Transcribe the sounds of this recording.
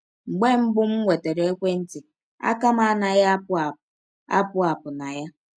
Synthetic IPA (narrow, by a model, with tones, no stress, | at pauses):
ŋ͡m̩˨ɡ͡be˦ŋ͡m̩˦bʊ˦m̩˦ŋʷe˨te˨ɾe˨e˦kʷe˦n̩˦tɪ˨ | a̰˦ka˦ma˦a˦na˨ja˦p | a̰˦pʊ˦a˨pʊ˨na˨ja˦